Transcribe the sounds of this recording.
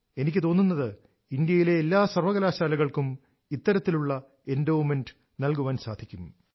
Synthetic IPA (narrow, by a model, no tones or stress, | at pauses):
e̞nikʲːɨt̪o̞ːnːunːɐðɨ | ind̪jɐjile̞ːlːaːsɐrʋɐɣɐlaːɕaːlɐɣɐɭkum | it̪ːɐɾɐt̪ːiluɭːɐ | e̞ndɐwmenɖɨ | nɐlkuʋaːnsa̰ːd̪ʱikʲːum